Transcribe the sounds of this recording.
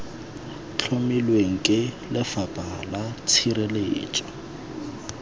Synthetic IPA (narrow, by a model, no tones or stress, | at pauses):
t͡ɬʰomilweŋ̩kʼɪ | lɪfapʼalat͡sʰiɾeleːt͡ʃʼɔ̥